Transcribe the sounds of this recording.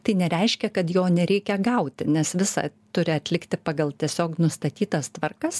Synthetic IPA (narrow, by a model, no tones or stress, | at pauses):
t̪ɐɪnʲɛɾʲɛɪʃʲkʲɛkɐt̪joːnʲɛɾʲɛɪkʲɛɡɐʊt̪ʲɪnʲɛsʋʲɪsɐ̰t̪ʊɾʲɪɐt̪ʲlʲɪkt̪ʲɪpɑːɡɐlˠt̪ʲiɛsʲoːknʊst̪ɐt̪ʲiːt̪ɐst̪ʋɐrkɐs